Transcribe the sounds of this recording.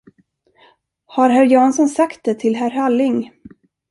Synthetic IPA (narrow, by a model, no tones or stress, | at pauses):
haɾɦæɾjɑːnsɔnsakt̪̚d̪ɛt̪ʰɪlɦæɾhalːɪŋ